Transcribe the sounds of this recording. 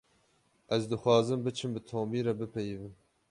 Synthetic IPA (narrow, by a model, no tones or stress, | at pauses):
ʔɛzd̪ɨxʷɑːzɨmbɨt͡ʃʰɨmbɨt̪ʰoːmiːɾɛbɨpʰɛjvɨn